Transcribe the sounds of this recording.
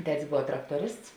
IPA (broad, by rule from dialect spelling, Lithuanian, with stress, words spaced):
ˈtʲæːtʲɪs ˈboːʋɐ ˈtrɑːktoːˌrʲɪsts